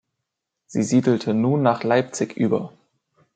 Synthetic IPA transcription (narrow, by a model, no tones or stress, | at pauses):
z̥ḭːziːdl̩tʰənuːnːaːχlaɪp̚t͡sɪkʔyːbɐ̰